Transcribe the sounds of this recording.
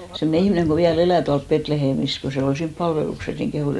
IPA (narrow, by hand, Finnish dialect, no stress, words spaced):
semne ihmĭneŋ ko ʋiæl elæˑ tuɑlp petleheːmis ko se ol siːmp pɑlʋelukses niŋ kehuˑs